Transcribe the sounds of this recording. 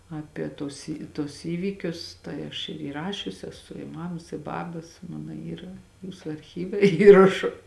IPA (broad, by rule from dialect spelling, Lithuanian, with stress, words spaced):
ˈɑːpʲiɛ ˈtuɔs ɪ ˈtuɔs ˈiːʋʲiːkʲʊs ˈtɐɪ ɐʃ ɪr iːˈrɑːʃʲʊs ɛˈsʊ ɪ ˈmɑːmɐs ɪ ˈbɑːbɐs ˈmɑːnɐ ˈiːrɐ ˈjuːsʊ ɐrʲˈxʲiːʋʲɛ ˈiːrɐʃʊ